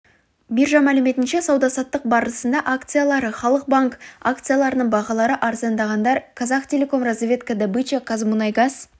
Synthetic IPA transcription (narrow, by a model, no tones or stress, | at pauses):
bijɾʒɑmælɪme̞t̪ɪnʃe̞sɑwd̪ɑsɑt̪ːəq̚bɑɾəsənd̪ɑʔakt̪sɨjalˠɑɾəχɑlˠəq̚baŋka̰k̚t̪sɨjalˠɑɾənəɴbɑʁɑlˠɑɾəʔɑɾzɑnd̪ɑʁɑnd̪ɑɾkʰɑzɑqt̪ʲʰe̞lʲe̞ko̞mrazvʲe̞t̪kəd̪əbɨt͡ʃekʰazmunɑjɡaz̥